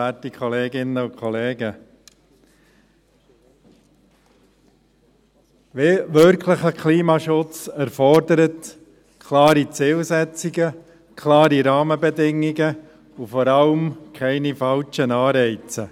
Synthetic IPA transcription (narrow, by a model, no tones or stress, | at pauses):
æːtikʰɔleːɡɪnːəʊkʰχɔleːɡə | ʋeʋøɾkʰləχəkʰliːmɑːʃʊt͡sæɾfɔɾdəɾət | kʰlɑːɾit͡sɪːlsɛt͡siɡə | kʰlɑːɾiɾɑːməbɛdɪŋːiɡə | ufɔɾɑlmkʰɛɪnifɑlt͡ʃənɑːɾɛɪt͡sə